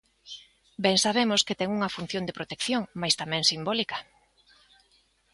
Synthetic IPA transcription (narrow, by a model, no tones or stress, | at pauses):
bɛŋsaβemoskɪt̪ɛŋuŋɐfun̟θjond̪epɾot̪ekθjoŋmajst̪amɛ̃ŋsimbɔlikɐ̥